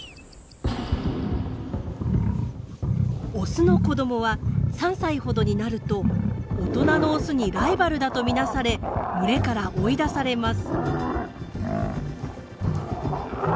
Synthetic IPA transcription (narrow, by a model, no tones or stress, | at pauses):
osɨno̞ko̞d̪o̞mo̞βasãɰ̃saiho̞d̪oɲ̟inaɾɯ̟t̪o̞ːt̪o̞nano̞ːsɨɲ̟iɾaibaɾɯ̟d̪at̪o̞mʲinasaɾe̞mɯ̟ɾe̞kaɾaʔo̞id̪asaɾe̞masɨ̥